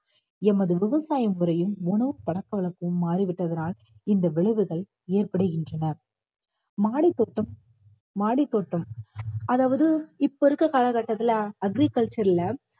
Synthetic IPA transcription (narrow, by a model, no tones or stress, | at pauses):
ɛmɐðɯʋɪʋɐsaːjɐmɯɾɐjɯmʊɳɐʋɯpɐɽɐkːɐʋɐɭɐkːɯɯmːaːɾiʋɪʈːɐðɐnaːl | ɪnd̪ɐʋɛɭɯʋɯɣɐɭ | eːrpɐɽɯɣɪndrɐnɐ | maːɽit̪ːoːʈːɯmː | aːɽit̪ːoːʈːɯmɐðaːʋɐðɯɪpːɔɪɾɯkːɯkɐlɐkɐʈːɐt̪ːɪlɐɐɡɾikɐɭt͡ʃɐɾɪlɐ